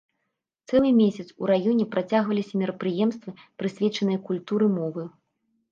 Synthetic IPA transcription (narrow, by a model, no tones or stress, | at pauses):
t̪sɛlˠɨmʲesʲɐt̪sṵɾajɔnʲɛpɾat͡sʲaɣvɐlʲisʲɐmʲɛɾɐpɾɨjɛmst̪vɨpɾɨsʲvʲɛt͡ʂɐnɨjɐkulʲt̪uɾɨmɔvɨ